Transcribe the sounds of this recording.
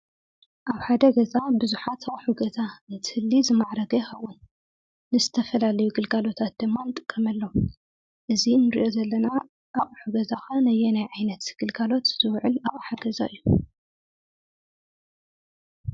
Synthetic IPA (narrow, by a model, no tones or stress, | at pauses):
ʔaβħad̪ɐɡɐzabɨzuħat̪ʰaχʼħuɡɐzanɨt̪ʰɨhɨlːizɨmaʕɾɐɡɐxɐwʔunː | ɨzɨt̪ʰɐfɐlalɐjuɡɨlɡalo̞t̪ʰat̪̚d̪ɨmːant̪ʼɨkʼːɐmɐlːo | ʔɨzinɨɾḭʔo̞zɐlːɐna | ʔaχʼħuɡɐzaxanɐjɛnajʕajnɐt̪ɡ̥ɨlɡalo̞t̪z̥ɨwʕɨlaχʼħaɡɐzaɨjːu